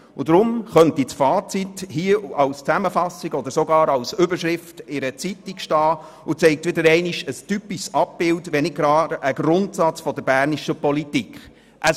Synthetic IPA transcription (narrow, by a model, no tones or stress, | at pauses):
ʊdɾʊmχœntisfɑːt͡sithiəɑwst͡sæməfɑsiɡɔd̪əɾsɔɡɑːɾɑwsʏbəɾʃɾɪftɪɾət͡sitikʃtɑː | ʊt͡sɛɪk̚tʋɪdəɾɛɪniʃəstypiʃsɑp̚bɪltʋɛnɪɡɾɑːɾʔəɡɾʊntsɑt͡sfɔdəbæːɾniʃəpɔlitikχ | ʔə